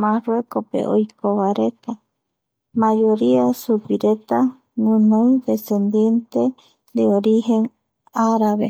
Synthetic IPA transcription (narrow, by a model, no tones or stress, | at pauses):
marwekopḛʔo̰jkoβaɾet̪a | majoɾiasupiɾet̪a | ŋunõwd̪esend̪jent̪e | d̪eoɾiheŋ | aɾaβe